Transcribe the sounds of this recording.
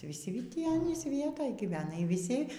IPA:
ʋʲiːˈsʲɪ ˈtʲiː ˈɑːnʲiːs ˈʋʲiɛtoːj ɡʲiːˈʋʲæːnɐ iː ʋʲiːˈsʲɪ

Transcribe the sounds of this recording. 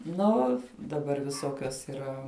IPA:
ˈnʊ dɐˈbɐr ʋʲɪˈsoːkʲoːs iːˈrɐ

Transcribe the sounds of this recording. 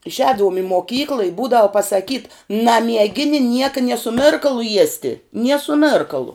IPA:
ɪʃʲˈɛːdɐʋʊm ɪ moːˈkʲiːklˠɨ ɪ ˈbuːdɐʋʊ pɐsɐˈkʲiːt nɐmʲiɛˈɡʲɪnʲɪ ˈnʲiɛkɐ nʲiɛ sʊ ˈmʲɪrkɐlˠʊ ˈjiɛsʲtʲɪ nʲiɛ sʊ ˈmʲeːrkɐlˠʊ

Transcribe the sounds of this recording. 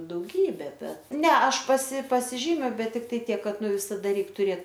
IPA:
dɐʊˈɡʲiːbʲɛ ˈbʲɛt ˈnʲɛ ˈɐʃ pɐsʲɪ pɐsʲɪˈʒʲiːmʲʊ ˈbʲɛt tʲɪkˈtɐɪ ˈtʲiɛk ˈkɐt ˈnʊ ʋʲɪsɐˈdɐ ˈrʲɛɪk tʊˈrʲeːt

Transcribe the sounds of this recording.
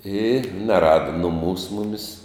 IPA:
ɪ nʲɛˈrɑːdɐ nʊˈmuːs ˈmʊmʲɪs

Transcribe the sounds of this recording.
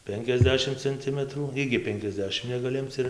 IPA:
ˈpʲɛŋʲkʲɛzʲˌdʲæːʃʲɪm t͡sʲɛnʲˈtʲɪmətruː ˈɪɡʲɪ ˈpʲɛŋʲkʲɛzʲˌdʲæːʃʲɪm nʲɛɡɐˈlʲɪ ˈɪmt͡s ɪr

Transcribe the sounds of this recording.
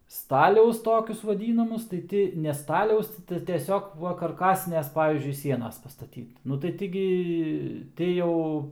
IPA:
ˈstɑːlʲɛʊs ˈtoːkʲʊs ʋɐˈdʲiːnɐmʊs tɐɪ ˈtʲɪ nʲɛ ˈstɑːlʲɛʊs tʲɪ tɐɪ tʲiɛˈsʲoːk ˈʋɐ kɐrˈkɑːsʲɪnʲeːs ˈpɑːʋʲiːzʲd͡ʒʲʊɪ ˈsʲiɛnɐs pɐstɐˈtʲiːt nʊ tɐɪ ˈtʲɪ ɡʲɪ ˈtʲɪ jɛʊ

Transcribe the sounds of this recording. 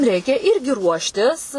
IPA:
ˈrʲɛɪkʲɛ ˈɪrʲɡʲɪ ˈruɔʃʲtʲɪs

